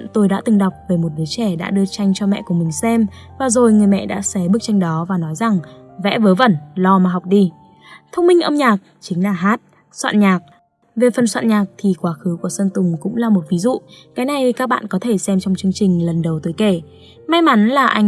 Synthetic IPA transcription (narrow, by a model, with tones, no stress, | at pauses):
nt̪o˧jɗa̰ː˧˥t̪ɨ˨˩ŋɗa˨˩wk͡p̚ve˨˩mo˨˩t̚ɗɨ˨˦t͡ɕɛ˧˩ɗa̰ː˧˥ɗɨ˧ət͡ɕa˧jŋ̟t͡ɕɔ˧mɛ̰˧˨ku˧˩əmï˨˩ŋ̟sɛ˧m | vaː˨˩zo˨˩jŋɨ˨˩əjmɛ̰˧˨ɗa̰ː˧˥sɛ˨˦ɓɨ˦˥ək̚t͡ɕa˧jŋ̟ɗɔ˨˦vaː˨˩nɔ˨˦jza˨˩ŋvɛ̰˧˥vəː˨˦jvə˧˩nlɔ˧maː˨˩ɦa˨˩wk͡p̚ɗi˧ | t̪ʰə˧wŋ͡mmi˧ŋ̟ʔə˧wŋ͡mɲaː˨˩k̚t͡ɕï˨˦ŋ̟laː˨˩ɦaː˦˥t̚ | swa̰ː˧˨nɲaː˨˩k̚ | ve˨˩fə˨˩nswa̰ː˧˨nɲaː˨˩k̚t̪ʰi˨˩kwaː˨˦xɨ˨˦ku˧˩əsə˧nt̪ʊ˨˩ŋ͡mkʊ̰˧˥ŋ͡mlaː˨˩mo˨˩t̚vi˨˦zṵ˧˨kaː˨˦jna˨˩jkaː˦˥k̚ɓa̰ː˧˨nkɔ˨˦t̪ʰe˧˩sɛ˧mt͡ɕɔ˧wŋ͡mt͡ɕɨ˧əŋt͡ɕï˨˩ŋ̟lə˨˩nɗə˨˩wt̪oː˨˦jke˧˩ | ma˧jma˨˦nlaː˨˩ʔa˧jŋ̟